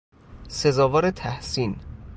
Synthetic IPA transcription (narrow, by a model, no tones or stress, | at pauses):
se̞zɒːvɒːɾet̪ʰæhsiːn